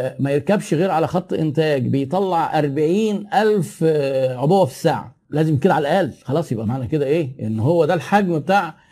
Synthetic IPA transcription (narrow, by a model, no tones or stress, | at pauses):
mæjeɾkæbʃɣeːɾʕalæxɑt̪ˤːʔḛnt̪æːɡbejt̪ˤɑlːɑʕʔɑɾˤbaʕiːnʔælfʕobowːæfi̥saːʕa̰ | læːzemked̪ʕalæʔæːlxɑlˤɑːsˤjebʔæmaʕnæked̪æʔeːʔenːɦowːæd̪ælħaɡmbet̪aːʕ